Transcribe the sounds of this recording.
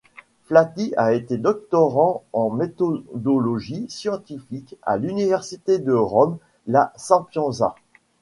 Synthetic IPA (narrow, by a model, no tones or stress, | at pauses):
flat̪iaet̪ed̪ɔk̚t̪ɔʁɑ̃ɑ̃met̪ɔd̪ɔlɔʒisjɑ̃t̪ifika̰lynivɛʁsit̪ed̪əʁɔm | lasɛ̃pjɔ̃za̰